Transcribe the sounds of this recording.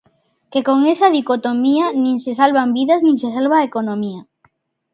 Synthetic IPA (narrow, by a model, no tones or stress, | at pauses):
kekoŋesað̞ikot̪omianĩŋsesalβambiðaznĩŋsesalβaekonõmia